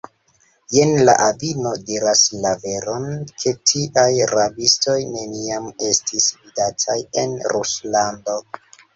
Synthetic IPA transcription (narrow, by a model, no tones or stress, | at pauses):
jenla̰ʔavino̞diɾaslave̞ɾo̞nkʰe̞tʰiʔajɾabisto̞jne̞niame̞stʰisvidatʰaje̞nɾuslando̞